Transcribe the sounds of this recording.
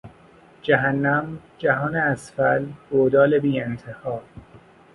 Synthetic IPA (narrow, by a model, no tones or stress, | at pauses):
d͡ʒæɦænːæmd͡ʒæɦɒːneæsfælɡoːd̪ɒːlebiːent̪ʰehɒːɾ